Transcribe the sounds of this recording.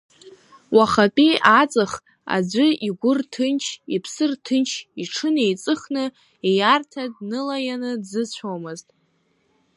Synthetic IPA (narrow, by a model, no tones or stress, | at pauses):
waχatʼiʔat͡sʼɨχ | a̰d͡ʒʷɨiɡʷʊrtʰɨnt͡ʃʰipʰsɨrtʰɨnt͡ʃʰiʈ͡ʂʰɨne̞jt͡sʼɨχnɨ | ejartʰadnɨlajanɨdzɨt͡ɕʷʰomɨztʼ